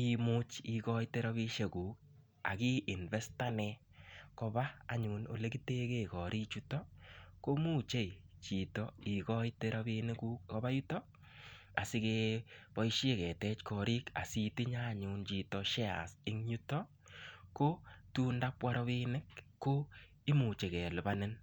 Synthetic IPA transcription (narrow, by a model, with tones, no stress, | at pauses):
i˨mʊ˦t͡ʃi˨kɔ˦jte˦ɾɔ˦βi˧ʃe˨ku˨k̚ | a̰˨ki˦ʔɪ˨nvɛ˦sta˦nɛ˧ | kɔ˧baː˦˨ɲu˨no̰˨le˦ki˦te˦ke˦kɔ˨ɾʔi˦t͡ʃu˦tɔ˦ko˦mu˦˨t͡ʃe˦jt͡ʃi˨tɔ˨i˨kɔ˦jteɾɔ˦bi˧nɪ˦ku˦k̚kɔ˦ba˦ju˦tɔ˦ | a˨sɪ˦ke˧pɔ˦iʃe˦kɛ˨tɛ˦t͡ʃkɔ˨ɾi˦ka̰˨si˧ti˦ɲa˦˨ɲʊ˨nt͡ʃi˨tɔ˨ʃɛ˦a̰˨sɪ˦ŋɲu˦tɔ˦ | ko˦tu˦nda˦pwa˦ɾɔ˦βi˦nɪ˦kːo˦ | i˦mu˨t͡ʃe˨kɛ˨lʊ˨ba˦nɪ˦n